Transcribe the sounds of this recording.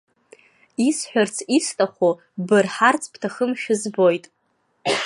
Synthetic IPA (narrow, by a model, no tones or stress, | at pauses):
isħᶣart͡sʰistʼaχʷo | bɨrħart͡sʰpʰtʰaχəmʃᶣɪzbo̞jtʼ